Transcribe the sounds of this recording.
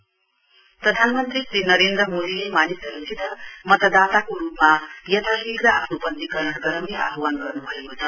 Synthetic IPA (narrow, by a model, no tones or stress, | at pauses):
pɾʌd̪ʱanmʌnt̪ɾisɾinʌɾend̪ɾʌmod̪ilemanisʌɾusʰit̪ʌmʌt̪ʌd̪at̪akoɾupmajʌt̪ʰabikɾʌapʰnupʌnt̪ikʌɾʌnʌɡʌɾʌmia̰ɦʌwanɡʌɾnuɦʌekot͡sʰʌ